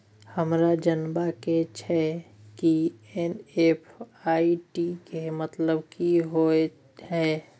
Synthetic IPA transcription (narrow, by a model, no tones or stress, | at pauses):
həmɾad͡ʒənbaket͡ʃʰɛkienepʰaːiʈikemət̪ləbkiɦoe | ɦɛː